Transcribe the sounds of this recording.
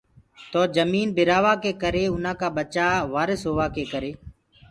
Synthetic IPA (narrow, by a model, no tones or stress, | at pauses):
t̪oːd͡ʒəmiːnbɪɾaːʋaːkeːkəɾeːʊn̤ãːkaːɓət͡ʃaːʋaːɾɪsɦoːʋaːkeːkəɾeː